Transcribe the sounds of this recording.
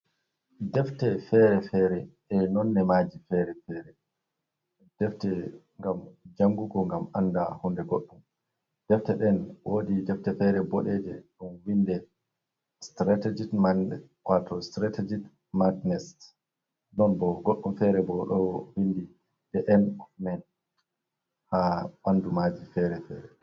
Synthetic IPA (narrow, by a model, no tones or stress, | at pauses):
dɛftɛfɛɾɛfɛɾɛ | ɛnɔnːɛmaːd͡ʒifɛɾɛfɛɾɛ | d̥ɛftɛ | ŋɡamd͡ʒaŋɡuɡɔŋɡamandahundɛɡoɗːum | d̥ɛftɛɗɛnwoːdidɛftɛfɛɾɛbɔɗɛd͡ʒɛɗunwindɛ | stɾatɛd͡ʒimaɛ | watɔstɾated͡ʒit | madnɛst | nɔnbɔɡoɗːumfɛɾɛbɔɗɔwindi | dɛʔɛnmɛn | haɓandumad͡ʒifɛɾɛfɛ̰ɾɛ